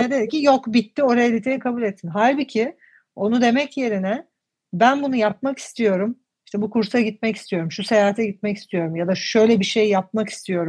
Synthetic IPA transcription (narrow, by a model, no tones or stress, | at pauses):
ned̪ed̪ɛcijo̞kbit̪ʰːio̞ɾajalʲit̪ʰejnikʰabuːlʲet̪ːinɦalʲbicʰɪ | o̞nud̪e̞mɛcje̞ɾinɛ | bænbunujap̚maki̥st̪ʰijo̞ɾum | iʃt̪ʰɛbukuɾsaɟit̪̚mɛci̥st̪ijo̞ɾumʃuse̞jaːɦat̪ʰɛɟit̪mɛci̥st̪ʰijo̞ɾumjad̪aʃø̞jlʲɛbiʃe̞jjap̚maki̥st̪ʰijo̞ɾu